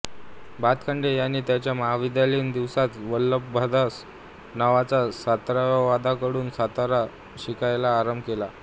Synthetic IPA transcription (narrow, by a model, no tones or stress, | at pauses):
bat̪kʰəɳɖejanːiːt̪jat͡ɕjaməɦaʋid̪jaliːnd̪iʋsat̪ʋəlːəbbʱad̪as | naʋat͡sasat̪ɾaʋaʋad̪akəɽuːnsat̪aɾa | ɕikajlaːɾəmbʱkela